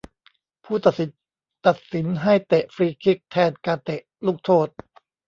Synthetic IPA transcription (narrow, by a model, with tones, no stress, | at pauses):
pʰuː˥˩t̪a˨˩t̪̚si˨˦n | t̪a˨˩t̪̚si˩˦nɦa˥˩jt̪e˨˩ʔfɾiː˧kʰi˦˥˩k̚t̪ʰɛː˧˩nkaː˧nt̪e˨˩ʔluː˥˩k̚t̪ʰoː˥˩t̪̚